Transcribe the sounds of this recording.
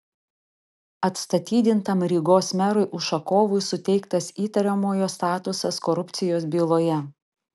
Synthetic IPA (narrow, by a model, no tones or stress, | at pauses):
ɐt̪st̪ɐt̪ʲiːd̪ʲɪnt̪ɐmɾʲiːɡoːsmʲæɾʊɪʔʊʃɐkoːʋʊɪsʊt̪ʲɛɪkt̪ɐsiːt̪ɐɾʲɛmoːjoːst̪ɑːt̪ʊsɐskɔɾʊpʲt̪sʲɪjoːs̬bʲiːlˠoːjɛ